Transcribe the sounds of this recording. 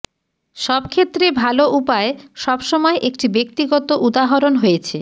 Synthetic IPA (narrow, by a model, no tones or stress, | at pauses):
ʃɔbkʰet̪ːɾebʱaloʔupaeʃɔbʃɔmɔeʔekʈibek̚t̪iɡɔt̪oʔud̪aɦoɾonɦojet͡ɕʰe